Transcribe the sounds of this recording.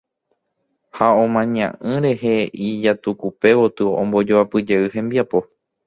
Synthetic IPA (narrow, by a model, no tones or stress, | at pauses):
haõmãɲã̰ʔɨ̃ɾe̞ɦe̞id͡ʒat̪ukupe̞wot̪ɨõ̰mbo̞d͡ʒoapɨd͡ʒeɨɦẽ̞mbiapo̞